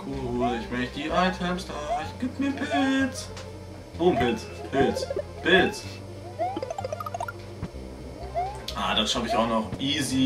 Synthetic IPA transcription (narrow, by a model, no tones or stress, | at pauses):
kʰuːlɪçmœçt̚d̥iːʔaɪtʰɛmsd̥aːɪçɡ̥iːpmiːɐpʰɪɪlt͡s | voːpʰɪlt͡s | pʰɪlt͡s | pɪlt͡s | ʔaːdaʃafɪçaʊxnɔχʔiːzi